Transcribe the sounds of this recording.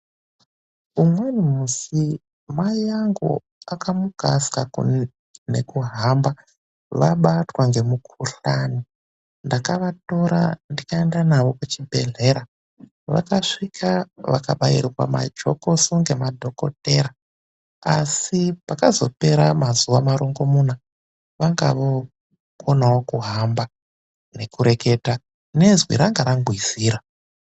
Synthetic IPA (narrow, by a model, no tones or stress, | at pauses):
umwe̞nimusi | majaŋɡo̰ | akamuɡ̥ʱa̰skaku | ne̞̰kuɦamba | ʋaɓatwaŋɡe̞mukʰuɬani | ndakaʋato̞ɾa̰ndikaendanaʋo̞kut͡ʃibʱe̞ɮe̞ɾa | ʋa̰kaʂikʰaʋa̰ka̰ɓajirirwa̰ma̰d͡ʒo̞̰ko̞suŋɡe̞madʱo̞ko̞̰te̞ɾa | a̰sipakazo̞̰pe̞ɾamazuʋamaɾoŋɡomuna | ʋaŋɡa̰ʋo | kʰonawokuɦamba | ne̞kuɾe̞ke̞ta | ne̞zwḭɾaŋɡaɾaŋɡwiz̥iːɾa